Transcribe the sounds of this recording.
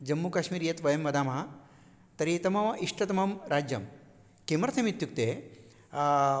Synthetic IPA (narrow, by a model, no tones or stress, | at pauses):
d͡ʒɐmːukaːʃmiːɾjɐt̪ʋɐjɐmʋɐd̪aːmɦɐ | t̪ɐɾit̪ɐmɐʋɐʔiʂʈɐt̪ɐmɐmɾaːd͡ʒjɐm | kemɐɾt̪ʰɐmit̪juk̚t̪eː